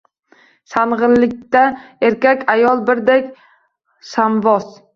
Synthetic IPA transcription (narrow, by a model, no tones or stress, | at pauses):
sanʁɨllɪkʲt̪aeɾkʲakʲajɒlˠbɪɾd̪ekʲ | samvɒs